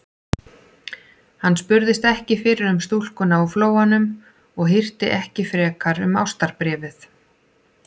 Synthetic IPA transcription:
hanːspʏɾðɪst̪ɛhcɪfɪːɾɪɾʏmst̪ul̥kʏnaufloːwanʏm | ɔɣɦɪr̥t̪ɪʔɛhcɪfɾɛːkaɾʏma̰wst̪aɾpɾɛːvɪθ

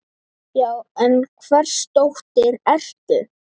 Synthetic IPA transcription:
jaːwɛnkʰvɛr̥st̪owht̪ɪɾɛr̥c̪ɪ

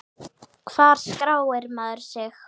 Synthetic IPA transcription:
kʰv̥aːɾ̥skɾaːwɪɾmaðʏɾ̥sɪx

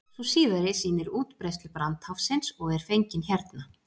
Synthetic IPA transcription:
susiːðaɾɪsiːnɪɾuːt̪pɾɛst̪lɪpɾant̪hafsɪnsɔɣɛɾ̥fejɲcɪnçɛɾt̪na

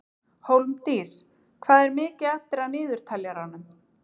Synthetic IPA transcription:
howlmt̪iːs | kʰvaːðɛɾmɪːcɪðaft̪ɪɾaðnɪːðʏɾ̥t̪ʰaljaɾ̥anːʏm

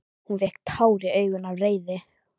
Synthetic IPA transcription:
hunvɛhk̚t̪ʰaːwɾɪœːɥɣʏnavreːjðɪ

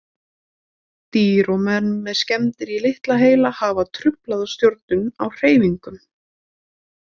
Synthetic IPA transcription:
t̪iːɾɔmɛnːɛðscɛmt̪ɪɾilɪht̪laɦeːjlahaːvat̪ʰɾʏplaðast̪jowɾt̪nʏnawr̥eːjviŋkʏm

